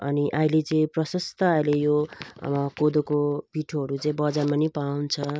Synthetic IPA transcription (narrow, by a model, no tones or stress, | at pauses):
ʌniʔailet͡sʌĩprʌsʌst̪ʰʌailejo | kod̪okopiʈʰoɦʌɾut͡sʌĩbʌd͡zarmanipawnt͡sʰʌ